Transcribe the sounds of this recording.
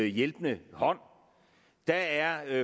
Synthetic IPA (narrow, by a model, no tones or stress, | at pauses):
jelb̥ənəhɒ̽n̰ | d̥ææɐ